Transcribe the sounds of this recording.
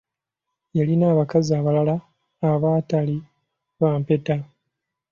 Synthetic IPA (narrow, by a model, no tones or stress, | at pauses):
jalinaːβakaziaːβalalaː | βaːtali | βaːmpe̞ta